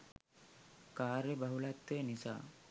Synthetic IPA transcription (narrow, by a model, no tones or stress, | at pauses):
kaːɾjəbɐɦulat̪ːenisa̰ː